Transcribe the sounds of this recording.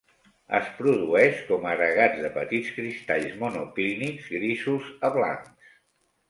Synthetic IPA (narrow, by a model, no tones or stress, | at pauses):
ə̰spɾuðuɛʃkɔmərəɣad͡zðəpət̪itskɾist̪aʎzmunuklinikzɣɾisuzəβla̰ŋks